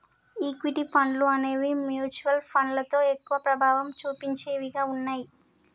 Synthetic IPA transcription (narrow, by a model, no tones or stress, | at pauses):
iːkʋiʈipʰɐɳɖluɐne̞ːʋimjuːt͡ʃuʋɐlpʰɐnlɐt̪o̞ːe̞kːuʋɐpɾɐbʱaːʋɐmt͡ʃuːpiɲt͡ʃeːʋiɡaːunːaːji